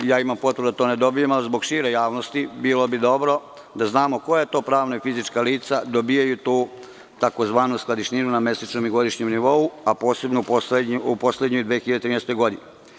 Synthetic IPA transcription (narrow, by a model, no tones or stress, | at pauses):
jaːimampot̪ɾdud̪at̪oːned̪o̞bijemalizbo̞ɡʃiːɾejaːʋnost̪ibiːlˠo̞bid̪o̞bɾo̞ | d̪aznaːmo̞ko̞jajet̪o̞ːpɾaːʋnoifizit͡ʃkaliːt̪sad̪obijajut̪uː | t̪akozʋaːnusklad̪iʃninuname̞sat͡ʃnomiɡo̞d̪iʃɲemniʋo̞uapo̞ːse̞bnoupo̞sled̪ɲojd̪ʋeːxilʎad̪eɾiːnest̪o̞jɡo̞d̪ine